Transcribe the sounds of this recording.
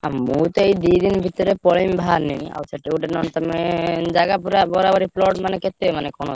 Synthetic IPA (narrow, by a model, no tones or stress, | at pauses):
amut̪oejd̪id̪inbʱit̪ɔɾepɔɭimbʱaɾnija̰sʰaʈeuʈenɔnt̪amed͡ʑaɡapuɾabɔɾabaɾiplɔʈmaneket̪ːemanekɔno